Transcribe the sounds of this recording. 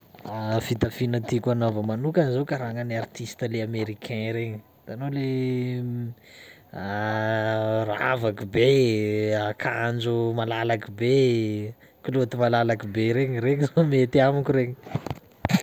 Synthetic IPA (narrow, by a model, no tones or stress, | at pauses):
afit̪afinət̪ikʲanovəmanukanizowkaɾaŋəniart̪ist̪əleameɾikʰɛ̃ɾeɲi | t̪anole | a | ra̰vakube | akʰand͡ʒumalalakibe | kilot̪imalalakubeɾeɲiɾeɲizomet̪iamakuɾeɲi̥